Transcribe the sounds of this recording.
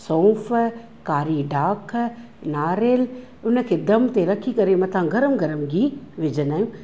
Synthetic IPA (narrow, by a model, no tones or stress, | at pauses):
sõːf | kaːɾiɖʱaːkʰ | naːɾeːl | ʊnə̆kʰeːd̪ɐmt̪eɾɐkʰikɐɾemɐ̃t̪ʰãɡɐɾəmɡʱɐɾəmɡiːʋɪd͡ʑənaːjũː